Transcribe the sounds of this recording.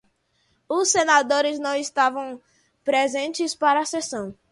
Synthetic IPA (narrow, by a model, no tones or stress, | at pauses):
ʊsːenad̪oɾɪznɐ̃w̃ɪst̪avɐ̃w̃ | pɾezẽnt͡ʃɪspaɾɐːsesɐ̃w̃